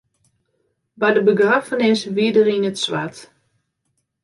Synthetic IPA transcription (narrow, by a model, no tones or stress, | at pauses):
bajdəbəɡrafənɪsʋiədərinətsʋat